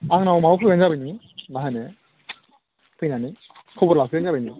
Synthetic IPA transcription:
aŋnawmawkʰɯɡanzabajni | maɦane | tʰɯjnani | kʰɯwbɔɾlakʰɯanzabajni

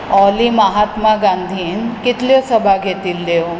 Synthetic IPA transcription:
ɔliməɦat̪maɡãnd̪ʱiːnkit̪ljosəbʱaɡʱet̪ilːe

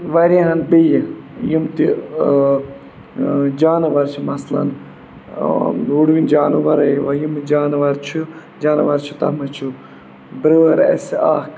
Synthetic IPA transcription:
ʋɐɾiɦɐnbijjimt̪i | d͡ʒaːnɨʋɐɾt͡ʃʰimɐslɐ̰n | uɽʋind͡ʒaːnuʋɐɾɐʋɐjimd͡ʒaːnʋɐɾt͡ʃʰi | d͡ʒaːnʋɐɾt͡ʃʰut̪ɐ̰mɐt͡ʃʰu | bɾəʋɐɾɐ̰sa̰ːk

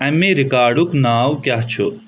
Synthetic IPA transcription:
ɐmeɾɪkaːɾɖuknaːwkjaɦt͡ʃʰu

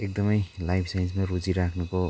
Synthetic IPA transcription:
ek̚d̪ʌmʌjlajpʰsajnsmaɾud͡ziɾakʰnuko

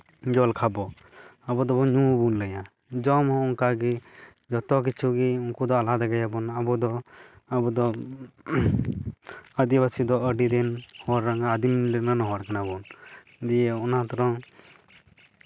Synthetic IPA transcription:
d͡ʒɔlkʰabɔ | abɔd̪ɔbɔɲũbunləja | d͡ʒɔmɔ̃ɔŋkaɡi | d͡ʒɔt̪ɔk̬it͡ʃʰuɡiuŋkud̪ɔalad̪aɡajabɔnabɔd̪ɔ | abɔd̪ɔ | ad̪iβasid̪ɔəɖid̪ɛnhɔɾːaŋaːd̪imlɛnanɔɦɔɾkanabɔn | d̪ijɛɔnat̪ɔɾɔŋ

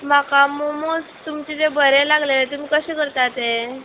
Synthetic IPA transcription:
makamomost̪umt͡ɕit̪ebʱəɾelaɡlelet̪umiːkəɕẽkəɾt̪at̪e

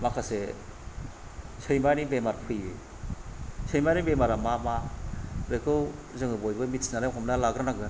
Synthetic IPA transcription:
makʰase | sʰɯjmanibemaɾpʰɯje | sʰɯjmanibemaɾamamaɾejkʰɯwzɯŋɯbojbɯmitsnaɾakʰɔmnalaɡɾɯnaɡɯn

